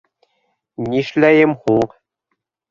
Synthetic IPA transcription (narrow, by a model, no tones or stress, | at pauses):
nʲiʃlæjɘ̆mχulq